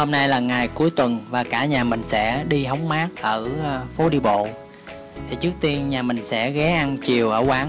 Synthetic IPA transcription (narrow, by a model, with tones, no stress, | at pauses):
ho˧mna˧jlaː˨˩ŋa˨˩jku˨˦əjt̪wə˨˩nvaː˨˩kaː˧˩ɲaː˨˩mï˨˩ŋ̟sɛ̰˧˥ɗi˧ɦa˨˦wŋ͡mmaː˨˦˥k̚ʔəː˧˩˧fo˨˦ɗi˧ɓo̰˧˨ | t̪ʰi˨˩t͡ɕɨ˦˥ək̚t̪i˧ənɲaː˨˩mï˨˩ŋ̟sɛ̰˧˥ɣɛ˨˦ʔa˧nt͡ɕi˨˩əwʔəː˧˩waː˨˦ŋ